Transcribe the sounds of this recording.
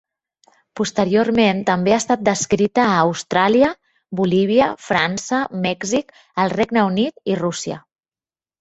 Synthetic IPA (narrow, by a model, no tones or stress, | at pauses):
pust̪əɾiorment̪əmbeast̪at̪̚d̪əskɾit̪əːwst̪ɾaliə | buliβ̞iəfɾansəmɛɡzik | əlˠreɡnəunit̪irusiə̰